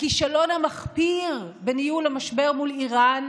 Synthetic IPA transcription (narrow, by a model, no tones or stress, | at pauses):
kiʃalo̞nhamaχpiʁbenijulamaʃbe̞ʁmuliʁan